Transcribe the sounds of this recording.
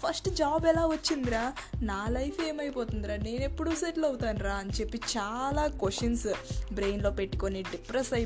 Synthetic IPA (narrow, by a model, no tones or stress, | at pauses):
pʰɐsʈd͡ʒaːbɛlaːʋɐt͡ʃːind̪iɾaːnaːlɐjpʰeːmɐjipoːt̪und̪iɾaːne̞ːne̞pːuɽuseʈlɐwut̪aːnɾaːɐnt͡ʃe̞pːit͡ʃaːlaːkʋesʈːɐnsbɾeːjnlo̞ːpe̞ʈːu̥koniɖipɾɐsɐj